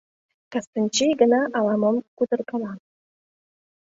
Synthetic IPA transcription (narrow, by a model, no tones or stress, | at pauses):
kast̪ənʲt͡ɕijɡə̆nɑʔɑlˠɑməmkud̪ərkɑlɑ